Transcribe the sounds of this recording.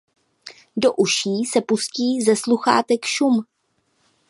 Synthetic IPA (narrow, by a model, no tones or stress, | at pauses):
doʔuʃiːsɛpusciːzɛsluxa̰ːt̪ɛkʃum